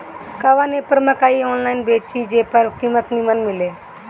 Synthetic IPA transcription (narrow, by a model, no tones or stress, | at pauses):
kaʋaneːpəɾmɐkaːioːnlaːɪnbeːt͡ʃid͡ʒeːpəɾkimət̪nimənmɪleː